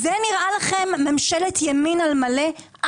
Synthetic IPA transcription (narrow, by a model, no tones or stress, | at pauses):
zeniʁʔalaχemːemʃeletjaminalmale